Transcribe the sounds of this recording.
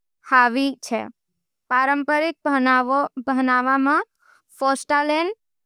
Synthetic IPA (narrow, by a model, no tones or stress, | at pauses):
haʋit͡ʃʰḛ | paɾəmpəɾik̪̚ | bʱənaʋamã | fɔsʈalen